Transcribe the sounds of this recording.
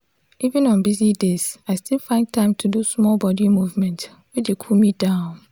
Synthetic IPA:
ʔivĩnɔ̃nbizidezaɪstʰilˠfãɪ̃n̚tʰãɪ̃mtʰudusmɔlˠbɔdimuvmɛ̃nt | widekʰulmid̥ãʊ̃n

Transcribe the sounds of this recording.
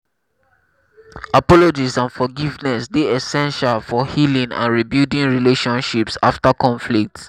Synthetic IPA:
apɔlod͡ʒisãnfɔɡivnɛsdeɛsɛ̃nʃalfɔhilĩŋã̰nɹibudĩnɹileʃɔ̃nʃipsaftakɔ̃nflik̚t

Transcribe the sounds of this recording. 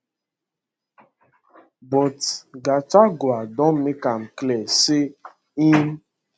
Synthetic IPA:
bɔtɡat͡ʃaɡʊadɔm̩mɪkam̩klɛsɪ | im̩

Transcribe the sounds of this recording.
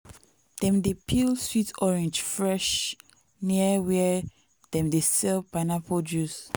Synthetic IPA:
d̥ɛ̃mdepʰilswitɔɹɛ̃nd͡ʒfɹɛʃ | niəwɛ | d̥ɛ̃mdesɛlpaɪnapʰodus

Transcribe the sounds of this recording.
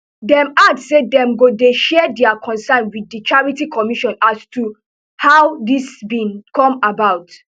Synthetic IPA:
dɛ̃matsːedɛ̃mɡodeʃɛdɛakʰɔ̃nsɛ̃nwidːit͡ʃaɹitikʰɔmiʃɔ̃nastʰu | haʊdisbĩnkɔ̃mabaʊt

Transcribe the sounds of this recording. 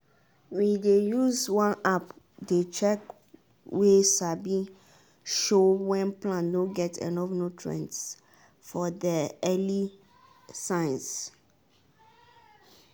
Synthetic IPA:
widejuzwãnap | det͡ʃɛk | wesabi | ʃowɛ̃nplãnːoɡɛtʰɛ̰nɔvnotʰɹɛ̰̃nt | fɔdɛɛli | sãɪns

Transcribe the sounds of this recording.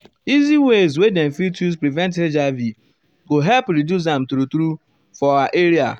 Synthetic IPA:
iziwezwedɛ̃n̩fitus̬pɾivɛ̃nt̬ed͡ʒavi | ɡoɦɛlpɾidjus̬ɛm̩tɾutɾu | fɔaʔeɾia̰

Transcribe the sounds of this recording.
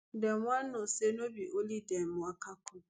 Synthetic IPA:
deŋʷannosenobiʔolidemwakakʊ

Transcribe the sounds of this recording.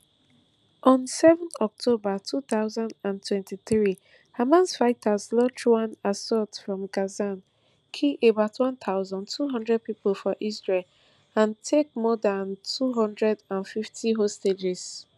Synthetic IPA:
ʔɔ̃nsɛvə̃nθɔk̚tʰobatʰuθaʊzãndãntʰwɛ̃ntiθɹi | hamãnsfaɪtʰazlɔd͡ʒwãnasɔtfɹɔ̃mɡazãn | kʰiʔebaʊtʰwɔ̃nθʰaʊzãntʰuɦʌ̃ndɹɛd̚piplfɔʔisɹel | ãntʰek̚mɔdantʰuɦʌ̃ndɹɛdãnfiftʰiɦosted͡ʒɛz̥

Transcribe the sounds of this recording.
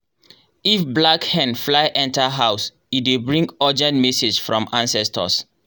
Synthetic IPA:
ifblakhɛ̃nflaɪʔɛ̃ntaɦaʊs | it̚debɹĩŋɡɔd͡ʒɛ̃ntmɛsed͡ʒfɹɔ̃mãnsɛstʰə̰s

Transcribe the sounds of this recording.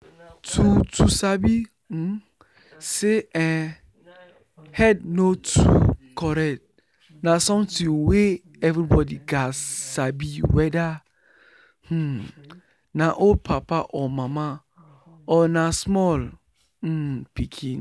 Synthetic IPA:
tʰutʰusabĩ | seɛ̃ | hɛdnotʰṵkʰɔɾɛt̚ | nãsɔ̃mtĩwe | ɛvɾibɔdiɡasabiwɛda | h̩ | nãʔopʰapaʔɔmãmã | ɔnãsmɔl̩ | pʰikʰĩn

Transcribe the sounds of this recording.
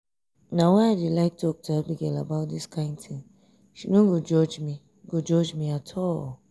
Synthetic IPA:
nawɛadilaɪk̚tʰɔk̚tʰuabiɡɛlabaʊt̚diskʰãɪ̃ntʰĩ | ʃinũɡod͡ʒɔd͡ʒmi | ɡod͡ʒɔd͡ʒmĩatʰɔl

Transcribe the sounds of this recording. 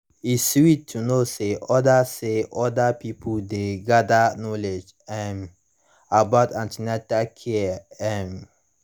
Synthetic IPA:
iswitʰːunoseʔɔdaseʔɔdapipʰudeɡadanɔled͡ʒ | ɛm | abatãntinatakʰeɛm

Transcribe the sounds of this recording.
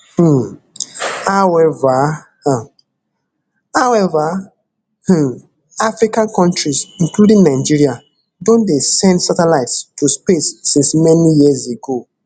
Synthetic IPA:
h̩ | haʊɛva | hawɛva | h̩ | afɹikãnkɔ̃ntɹisĩnkludĩŋnaɪd͡ʒiɹia | dõndesɛ̃ndsatɛlaɪtstʰuspesːĩnsmɛnijizeɡo

